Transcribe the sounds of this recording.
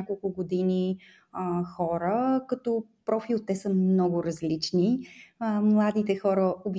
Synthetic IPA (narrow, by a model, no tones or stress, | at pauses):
akolˠkʊɡod̪ini | xɔɾəkɐt̪ɔpɾɔfilt̪ːɛsəmnɔɡʊɾəzlit͡ʃniəmlˠad̪it̪ɛxɔɾəobj